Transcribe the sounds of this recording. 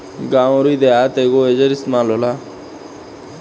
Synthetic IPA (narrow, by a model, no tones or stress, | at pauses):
ɡãːõɾuid̪eaːt̪eɡoed͡ʒəɾɪst̪maːlola